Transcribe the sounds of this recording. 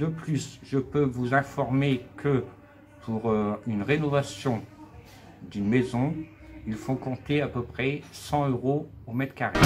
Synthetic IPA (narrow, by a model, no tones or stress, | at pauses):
d̪əplysʒəpøvuzɛ̃fɔʁmekʰə | pʰuʁynʁenɔvasjɔ̃ | d̪ynmezɔ̃ | ilfõkɔ̃t̪eapəpχɛsɑ̃øʁo | omɛt̪kʲaʁe